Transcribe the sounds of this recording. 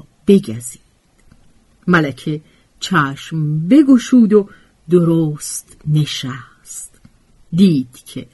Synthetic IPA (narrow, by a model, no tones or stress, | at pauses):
be̞ɟæziːd̪̥ | mælækʰe | t͡ʃʰæːʃmbe̞ɡoʃuːd̪o | d̪oɾoːst̪ne̞ʃæ | st̪ | d̪iːd̪̥cʰe